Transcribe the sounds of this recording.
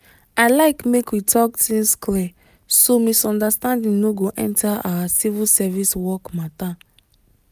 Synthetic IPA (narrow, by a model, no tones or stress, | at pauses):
aɪlaɪkmekwitʰɔk̚tĩnsklɛ | somisɔ̃ndastãndĩŋnoɡoʔɛ̰̃ntʰaa̰wasivilsɛviswɔkmata